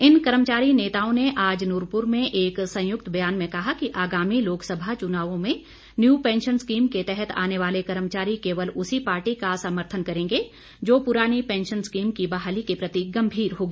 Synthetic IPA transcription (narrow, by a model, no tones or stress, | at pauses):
ɪnkɐɾəmt͡ʃaːɾineːt̪aːõneʔaːd͡ʒnʊːɾpʊɾmẽʔeːksɐ̃jʊk̚t̪bɐjaːnmẽkɐɦakiʔaːɡaːmiloːksɐbʱat͡ʃʊnaːʋõmẽ | njuːpɛ̃ːnʃənskiːmket̪ɛɦɛt̪ʰa̰ːneʋaːlekɐɾəmt͡ʃaːɾikeːʋəlʊsipaːɾʈikasəməɾt̪ʰənkɐɾẽːŋɡe | d͡ʒoːpʊɾaːnipɛ̃ːnʃənskiːmkibɐɦaːlikepɾɐt̪iɡɐ̃mbʱiːɾɦoːɡiː